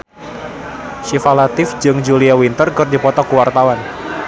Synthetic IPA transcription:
ʃifalat̪ɪfd͡ʒɨŋd͡ʒuliawint̪ərkɨrdipɔt̪ɔkəwart̪awan

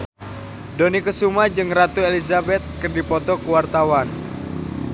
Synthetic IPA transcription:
donikəsumad͡ʒɨŋrat̪uelizabɛt̪̚kərdipɔt̪ɔkuwart̪awan

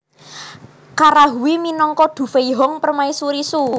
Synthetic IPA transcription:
kaɾaɦuwiminɔŋkɔɖ̪̥ṳfeiɦɔŋpərmaisuɾisu

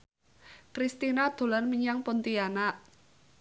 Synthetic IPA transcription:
kɾist̪inad̪̥o̤lanməɲaŋpont̪iana

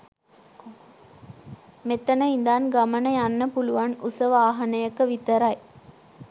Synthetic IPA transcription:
met̪ɐnəind̪aːnɡamənəjanːəpuluʋanusəʋaːɦɐnəjəkəʋit̪əɾaj

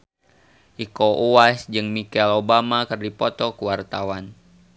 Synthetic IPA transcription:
ʔikoʔuwasd͡ʒɨŋmikɛlobamakɨrdipɔt̪ɔkuwart̪awan

